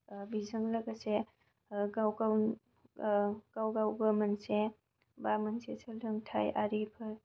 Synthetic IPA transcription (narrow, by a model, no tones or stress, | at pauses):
bizəŋlɐɡəse | ɡawɡaw | ɡ̥awɡawɡəmɐnse | bamɐnsesəldɯŋtʰajʔaɾipʰəɾ